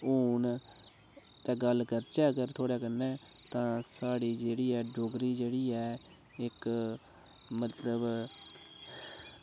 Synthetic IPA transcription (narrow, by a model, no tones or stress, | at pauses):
uːn | t̪ɛ̃ːɡəlkəɾt͡ʃɛːəɡəɾt̪ʰoːɽɛːkənːɛ̃ːt̪ãːsaːɽiːd͡ʒeːɽiːɛːɖoːɡɾiːd͡ʒeːɽiːɛː | ɪk | mət̪ləb